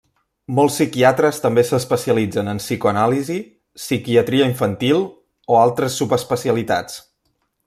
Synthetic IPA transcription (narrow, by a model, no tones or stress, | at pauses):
mɔlˠsːikiat̪ɾəst̪əmbesəspəsiəlid͡zənənsikoənalizi | sikiət̪ɾiəiɱfənt̪ilˠ | oalˠt̪ɾəsːupəspəsiəlit̪a̰t͡s